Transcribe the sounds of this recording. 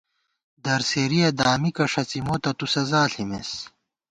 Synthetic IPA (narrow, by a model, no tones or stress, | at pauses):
d̪ɐɾseːɾijɐd̪aːmikɐʂɐt͡simot̪ɐt̪usɐzaːɬimes